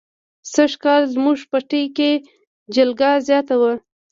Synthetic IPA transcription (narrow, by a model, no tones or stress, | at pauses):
saʂkɑlzmuʐpəʈəjke | d͡ʒɪlɡɑzjɑt̪awə